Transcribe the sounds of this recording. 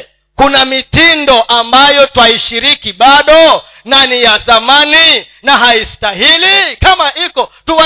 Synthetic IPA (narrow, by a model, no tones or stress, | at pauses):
kunamitindɔʔambajɔtwaiʃiɾikiɓaɗɔ | nanijazamaninaɦaistahilikamaʔikɔtuwa